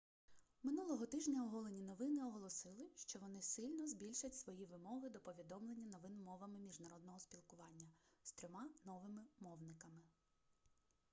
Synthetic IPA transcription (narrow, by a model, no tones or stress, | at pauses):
mɪnulˠɔɦɔt̪ɪʒnʲɐʊɦɔlˠenʲinɔʋɪnɪɔɦɔlˠɔsɪlˠɪʃt͡ʃɔʋɔnɪsɪlʲnɔzbʲilʲʃɐtʲsʋɔjiʋɪmɔɦɪd̪ɔpɔʋʲid̪ɔmlˠenʲːɐnɔʋɪnmɔʋɐmɪmʲiʒnɐɾɔd̪nɔɦɔspʲilˠkʊʋɑnʲːɐst̪ɾʲɔmɑnɔʋɪmɪmɔwnɪkɐmɪ